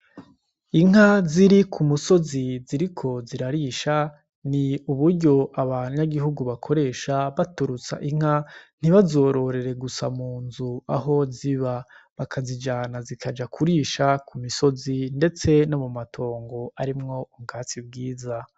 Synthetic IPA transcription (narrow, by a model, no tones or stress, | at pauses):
iŋ̥ɦaziɾikʰumuso̞ziziɾikʰo̞ziɾaɾiːʃa | niuβuɾɟo̞ʔaβaɲaɡiɦuɡuβakʰo̞ɾe̞ːʃaβatuɾut͡sa̰ʔiŋ̥an̥iβazo̞ːɾo̞ɾe̞ɾe̞ɡusa̰muːnzuaɦo̞ziβa | βakʰazid͡ʒaːnazikʰad͡ʒakʰuɾiːʃakumiso̞zinde̞t͡se̞nomumatʰo̞ːŋɡo̞aɾimŋo̞uɡaːt͡sib̚ɡiːza